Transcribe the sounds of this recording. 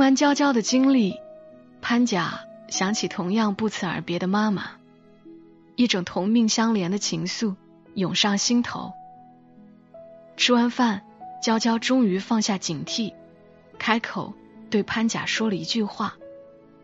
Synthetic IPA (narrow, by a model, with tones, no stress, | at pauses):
wa˥nt͡ɕjɑ˥ʊt͡ɕjɑ˥ʊd̪ə˨t͡ɕi˥ŋli˥˩ | pʰa˥nt͡ɕja˨˩ɕjɑ˧˥ŋt͡ɕʰi˨˩t̪ʰʊ˧˥ŋjɑ˥˧ŋpu˥˩t͡sʰɹ̩˥ə̰˞˧˥pjɛ˧˥d̪ə˧ma˥mə̰˩ | i˥˩ʈ͡ʂʊ˨˩ŋt̪ʰʊ˧˥ŋmi˥˩ŋɕjɑ˥ŋljɛ˧˥nd̪ə˧t͡ɕʰi˧˥ŋsu˥˩ | jʊ˨˩ŋʂɑ˥˩ŋɕi˥nt̪ʰo̰˧˥ʊ | ʈ͡ʂʰɻ̩˥wa˥nfa˥˩n | t͡ɕjɑ˥ʊt͡ɕjɑ˥ʊʈ͡ʂʊ˥ŋy˧˥fɑ˥˧ŋɕja˥˩t͡ɕi˨˩ŋt̪ʰi˥˩ | kʰa˥ɪkʰo˨˩ʊ | t̪we˥˩ɪpʰa˥nt͡ɕja̰˨˩ʂwɔ˥lə˨i˧˥t͡ɕy˥˧xwa˥˩